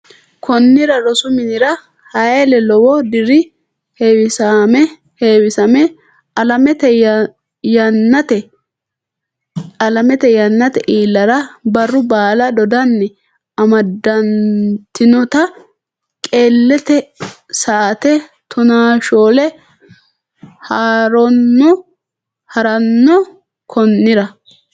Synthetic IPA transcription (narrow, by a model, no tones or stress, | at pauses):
kʰɔnːɪɾɐɾɔsʊmɪnɪɾɐ | hɐjelɛlɔwɔd̪ɪɾɪ | hewɪsamɛ | heːwɪsɐmɛ | ɐlɐmɛt̪ɛ | jɐnːɐt̪ɛ | ɐlɐmɛt̪ɛjɐnːɐt̪ɛʔiːlːɐɾɐbɐrːʊbaːlɐd̪ɔd̪ɐnːɛ | ɐmɐd̪ːɐnt̪ɪnɔt̪ɐ | kʼe̞ːlːɛt̪ɛ | saːt̪ɛ | t̪ʰʊnaːʃoːlɛ | haːɾɔnːɔ | hɐɾɐnːɔ | kʰɔnːɪɾɐ